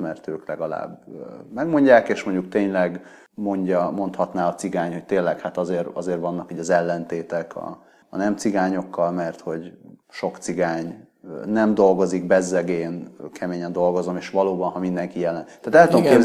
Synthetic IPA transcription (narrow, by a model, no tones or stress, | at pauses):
mɛrt̪øːklɛɡɒla̰ːbmɛɡmo̞ɲɟaːkeːʃmoɲɟuk̚t̪eːɲlɛɡ | mo̞ɲɟɒmo̞nt̪hɒt̪naːɒt̪siɡaːɲho̞c̚t̪eːnlɛkhat̪ɒzeːrɒ̰zeːrvɒnːɒkiːɟɒzɛlːɛnt̪eːt̪ɛkʰɒ̰ː | nɛmt̪siɡaːɲo̞kːɒlmɛrt̪ho̞ɟʃo̞kt̪siɡaːɲ | nɛmd̪o̞lɡo̞ziɡbɛzːɛɡeːnkʰɛmeːɲɛnd̪o̞lɡo̞zo̞meːʃvɒloːbɒnɦɒmind̪ɛŋkijɛlːɛnt̪aːt̪ɛlt̪ookeː